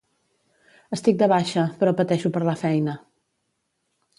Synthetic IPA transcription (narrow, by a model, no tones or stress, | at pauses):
əst̪ik̚d̪əβaʃəpɾɔpət̪ɛʃupəɾləfɛjnə